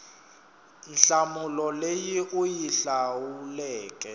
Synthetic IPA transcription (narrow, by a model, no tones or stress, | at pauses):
nɬamulɔlejiʔujiɬawulɛːkʼɛ